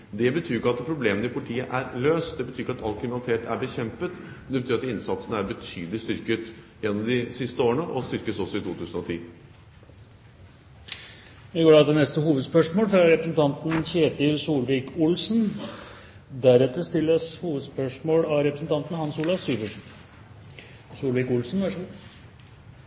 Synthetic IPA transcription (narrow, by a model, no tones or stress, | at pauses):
d̪ɛbət̪ʰyːɾɪkːəɑt̪pʰɾʊbleːmənɪpʰʊlɪt̪ʰiːəʔæɾløːst̪d̪ɛbət̪ʰyːɾɪkːɑt̪ɑlkʰɾɪmɪnɑlt̪ʰeːt̪ʰæɾbəçɛmpət̪ | d̪ɛbət̪ʰyːɾɑt̪ɪnsɑt̪sənəæɾbət̪ʰyːd̪əlɪst̪ʏɾkət̪ | jɛnːɔmd̪ɪsɪst̪əoːɾəɳəʔɔst̪ʏɾkəsɔsːɔɪt̪ʰuːt̪ʰʉːsən̩ɔt̪ʰḭː | ɪɡoːɖɑt̪d̪ɛnɛst̪əhuːʋəd̪spœʂmoːlfɾɑɾɛpɾəsn̩t̪ʰɑnt̪n̩çeːt̪ɪlsuːlʋɪːkʊlsn | d̪æɾɛt̪əɾst̪ɪlːəshuːʋəd̪spœʂmoːlɑɾɛpɾəsn̩t̪ɑnt̪ən̩hɑnsuːlɑsyːʋəʂ | suːlʋiːkʊlsnʋæʂ